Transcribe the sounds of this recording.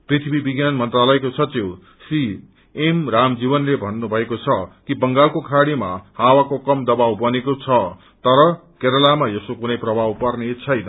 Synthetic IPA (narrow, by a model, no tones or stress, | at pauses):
prit̪ʰibʱibiɡjanmʌnt̪ralʌekosʰʌt͡siw | si | emramd͡zibʌnlebʱʌnːubʱʌekot͡sʰʌkibʌŋɡalkokʰaɽima̰hawakokʌmd̪ʌbawbʌnekot͡sʰʌ | t̪ʌɾʌkeɾʌlamajʌsokunʌjprʌbʱawpʌrnet͡sʰʌjnʌ